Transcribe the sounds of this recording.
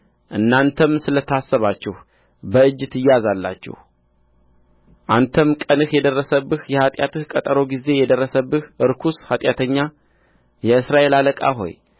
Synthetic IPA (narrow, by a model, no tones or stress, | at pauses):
ʔɨnːant̪ʰəmsɨlət̪ʰasːəβat͡ʃːɛh | bəɨd͡ʒːɨt̪ʰɨjazalːa̰t͡ʃːɛ̰h | ʔant̪ʰəmkʼənɨhjɛd̪ərːəsəbːɨhjɛhat̪ʼjat̪ɨhkʼət̪ʼəɾo̞ɡize̞jɛd̪ərːəsəbːɨhʔɨɾkʰushat̪ʼjat̪ʰəɲːa | jɛɨsɾaʔe̞laləkʼa̰ɦo̞̰j